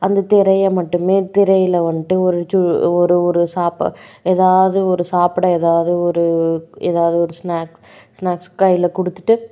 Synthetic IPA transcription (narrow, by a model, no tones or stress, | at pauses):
ɐnd̪ɐt̪ɪɾɐjɐmɐʈːɯmeːt̪ɪɾɐjɪlɐʋɐnɪʈːɯɔɾɯt͡ʃʊɔɾɯɔɾɯsaːpɐ̰eːðaːʋɐðɯɔɾɯsaːpɯɽɐeːðaːʋɐðɯɔɾɯeːðaːʋɐðɯɔɾɯsnaːk | snaːkskɐjɪlɐkɔɽɯt̪ːɯ̥ʈːɯ